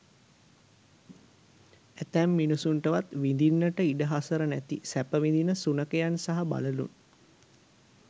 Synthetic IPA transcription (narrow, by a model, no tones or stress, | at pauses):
æt̪æmːinusuɳʈəʋat̪ʋind̪inːəʈəiɖəɦasəɾənæt̪ḭsæpəʋind̪inəsunəkəjansaɦaba̰ləlṵn